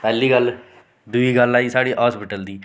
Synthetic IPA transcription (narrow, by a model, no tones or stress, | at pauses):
pɛːlːiːɡəl | d̪ʊiːɡəlːaːiːsaːɽiːʔaːspɪʈəld̪iː